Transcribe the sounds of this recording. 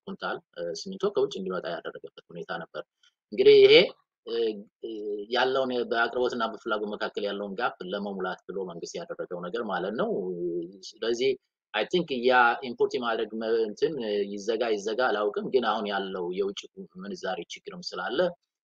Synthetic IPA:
kʰʼunt̪ʰalsɨmːɨnt̪ʰo̞kʰəwʊt͡ʃʼːɨnd̪imət̪ʼaja̰d̪ərːəɡəbːət̪hune̞t̪ʰanəbːəɾ | ʔɨŋɡɨd̪ihjɪhe̞ | jalːəwunbəakʼɾɨbo̞t̪ɨnːabəfɨlːaɡo̞t̪məkʰakːəljalːəwnɡafləməmulat̪bɨlo̞məŋɡɨst̪jad̪ərːəɡəwnəɡəɾmalət̪nəw | ləzːih | ʔajt̪ʰiŋkɨjːaimpʰoɾt̪ʰimad̪ɾəɡmənt̪ʰɨnjɪzːəɡajɪzːəɡalawkʼɨmɡɨnahunjalːəwjɛwʊt͡ʃʼːimɨnɨzaɾet͡ʃɪɡːɨɾɨmsɨlalːə

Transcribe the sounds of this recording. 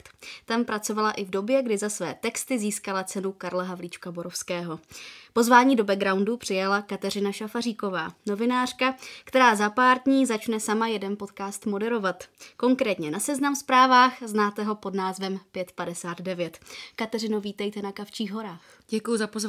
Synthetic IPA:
t̪t̪ampɾat͡so̞valaʔɪvdo̞bjɛɡdɪzasvɛːt̪ɛkst̪ɪziːskalat͡sɛnukaɾlaɦavliːt͡ʃkaboɾo̞fskɛːɦo̞po̞zvaːɲiːdo̞bɛɡɾawndupr̝̥ɪjalakat̪ɛrɪnaʃafariːko̞va̰ːno̞vɪnaːr̝̥kakt̪ɛɾaːzapaːɾdɲiːzat͡ʃnɛsamajɛdɛnpo̞t̪kaːst̪mo̞dɛɾo̞vat̪ko̞ŋkɾɛːt̪ɲɛnasɛznamspɾaːvaːxznaːt̪ɛɦo̞po̞dnaːzvɛmpjɛt̪padɛsaːd̪dɛvjɛt̪kat̪ɛrɪnuviːt̪ɛjt̪ɛnakaft͡ʃiːɣɦo̞ɾaːx | ɟɛkujuzapozv

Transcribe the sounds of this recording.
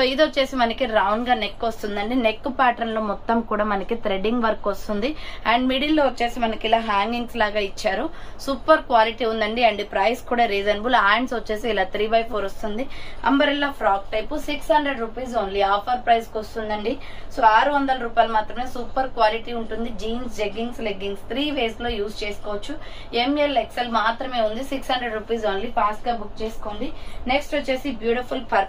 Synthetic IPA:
soːid̪ot͡ʃːe̞ːsimɐnɐkiɾɐwɳɡaːne̞kːost̪und̪ɐɳɖine̞kːupaːʈɐɾnloːmɔt̪ːɐmkuːɽaːmɐnɐkit̪ɾeɖiŋɡʋɐɾkːost̪und̪iɐɳɖmiɽiloːot͡ʃːe̞ːsimɐnɐkilaːɦaːŋɡiŋɡslaːɡaːit͡ʃːaːɾusuːpɐɾkʋaːliʈiːund̪ɐɳɖiɐɳɖipɾɐjskuːɽaːɾiːzɐnbulaːjɳɖsot͡ʃːe̞ːsiːlaːt̪ɾiːbɐjpʰoːɾost̪und̪iɐ̰mbɐɾilːaːpʰɾaːk̚ʈɐjpusikshɐɳɖɾeɖɾupiːzoːnliaːpʰɐɾpɾɐjskost̪und̪ɐɳɖi | soːaːɾuʋɐnd̪ɐlɐɾuːpaːjlɐmaːt̪ɾɐme̞ːsuːpɐɾkʋaːliʈiuɳʈund̪id͡ʒiːnsd͡ʒeɡːinsleɡːiŋst̪ʰɾiːʋe̞ːslo̞ːjuːst͡ʃe̞ːskoːʋɐt͡ʃːu | emelːekselmaːt̪ɾɐme̞ːund̪isikshɐndɾeɖɾupiːzoːnlipʰaːsʈɡaːbuk̚t͡ʃeːsu̥koːnd̪ineksʈʋot͡ʃːeːsibjuːʈipʰulpʰɐɾ

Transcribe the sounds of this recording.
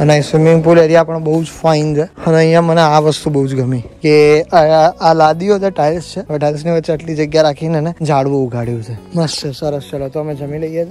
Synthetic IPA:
ənaisimiŋpuleɾiapəɳbəɦud͡ʒfaint͡ʃʰeənəɦĩjãməneaʋəst̪ubəɦud͡ʒɡəmike | alad̪iod͡ʒʰeʈajlst͡ʃʰeʋeʈajls̬niʋətːt͡ʃeəʈlid͡ʒəɡjaɾakʰinened͡ʒaɽʋũːɡʱaɽjũt͡ʃʰenəst͡ʃʰesəɾəst͡ʃəlot̪oəmed͡ʒəmĩləijet͡ʃʰe

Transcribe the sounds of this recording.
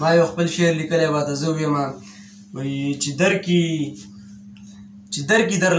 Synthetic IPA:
mɑːjowxpəlʃeɾlikəlewat̪azəuwema | wat͡ʃed̪aɾki | t͡ʃed̪aɾkid̪aɾ

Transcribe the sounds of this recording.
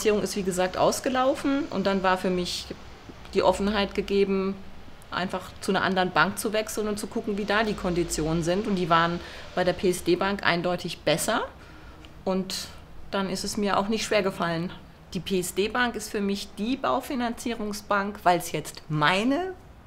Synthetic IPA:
t͡siːʁʊŋɪstv̥iːɡəzaːk̚tʔa̰ʊsɡ̥əlaʊfn̩ʔʊ̰ntd̥anvaːɐfyːɐmɪç | d̥iːʔɔfn̩ɦaɪtɡ̥əɡeːbm̩ | ʔa̰ɪnfaχt͡sunɐʔa̰ndəʁənbaŋk̚t͡suvɛksl̩nʊnt̚t͡sukʰʊkŋ̩viːdaːdiːkʰɔndit͡sjoːnənzɪntʊnt̚d̥iːvaːʁənb̥aɪdeːɐpʰeːɛsd̥eːbaŋkʔa̰ɪndɔʏtʰɪçb̥ɛsɐ | ʔʊnt | d̥anɪstɛsmiːɐʔa̰ʊxnɪçtʃv̥eːɐɡəfalən | d̥iːpʰeːɛsd̥eːbaŋkɪstfyːɐmɪçd̥iːba̰ʊfinant͡siːʁ̞ʊŋsb̥aŋkv̥aɪlsjɛt͡stmaɪnə

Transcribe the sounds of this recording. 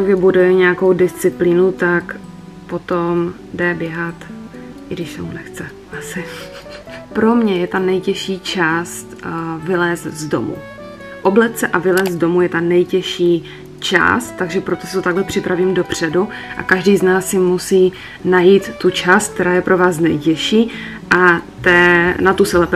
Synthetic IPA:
ɡɪbudɛɲɛako̞wdɪst͡sɪpliːnut̪ak | po̞t̪om | dɛbjɛɦat̪ʔɪɡdɪʃsɛmunɛxt͡sɛ | ʔasɪ | pɾo̞mɲɛjɛt̪anɛjcɛʃiːt͡ʃaːst̪vɪlɛːst̪zdo̞̰mṵ | ʔoblɛt̪t͡sɛʔavɪlɛːszzdo̞mujɛt̪anɛjcɛʃiː | t͡ʃa̰ːst̪t̪ːaɡʒɛpɾot̪osɪ̥t̪ot̪aɡlɛpr̝̥ɪpɾaviːmdopr̝̥ɛdu | ʔa̰kaʒdiːznaːsjɪmusiː | najiːt̪ːut͡ʃaːst̪k̚t̪ɛɾaːjɛpɾʔo̞vaːsnɛjcɛʃiː | ʔat̪ɛːnat̪usɛlɛp

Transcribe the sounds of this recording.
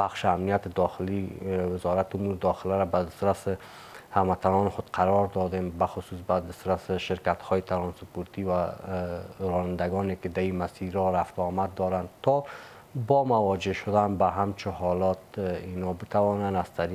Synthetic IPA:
baxʃɪamnijat̪ɪd̪ɒxɪliwɪzɔɾat̪ɪumuɾɪd̪ɒxɪlaɾabad̪ɪst̪ɾasɪ | hamat̪ʰanɔnɪxʊd̪̥qʰaɾɔɾd̪ɔd̪embaxʊsus̬bad̪ɪst̪ɾasɪʃɪɾkat̪hɔjɪt̪ʰaɾɔnsʊpuɾt̪iwa | ɾɔnand̪aɡɔnekɪd̪aimasiɾɔɾaft̪ɔmad̪ːɔɾant̪ʰɔ | bɔmawɒd͡ʒeʃʊd̪anbaɦamt͡ʃʰɪhɔlɔt̪inɔbɪt̪awɔnanaz̥t̪ʰaɾi

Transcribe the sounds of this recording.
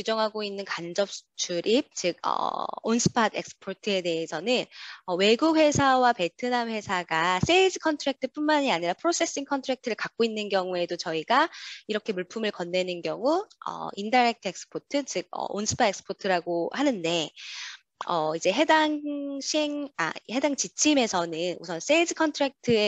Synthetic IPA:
kjud͡ʑʌŋɦaɡoinːɯnkand͡ʑʌp̚t͡ɕʰuɾʔip̚t͡ɕɯɡ̚ʌ̰onsʰɯ̥pʰade̞k̚sɯ̥pʰotʰɯe̞de̞ɦesʰʌnɯnʌwe̞ɡukwe̞sʰawape̞ɭtʰɯnanɸwe̞sʰaɡas͈eisʰɯkʰʌntʰɯɾak̚tʰɯp͈unmaɲiaɲiɾapʰɯɾos͈ʰe̞s͈iŋkʰʌntʰɯɾak̚tʰɯɾɯɭkak̚k͈oinːɯnɡjʌŋue̞dot͡ɕʌiɡaiɾʌkʰe̞muɭpʰumɯɭkʌnːe̞nɯnɡjʌŋuʌ̰indaɾek̚tʰe̞k̚s͈ɯ̥pʰotʰɯt͡ɕɯɡ̚ʌ̰onsʰɯ̥pʰadeksɯ̥pʰotʰɯɾaɡohanɯnde̞ | ʌid͡ʑe̞ɦe̞daŋɕʰeŋa̰he̞daŋt͡ɕit͡ɕʰime̞sʰʌnɯnṵsʰʌns͈eid͡ʑʰɯkʰʌntʰɯɾak̚tʰɯe

